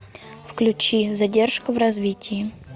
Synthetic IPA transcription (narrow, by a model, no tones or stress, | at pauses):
fklʲʉt͡ɕizɐdʲerʂkʊvrɐzvʲitʲɪjɪ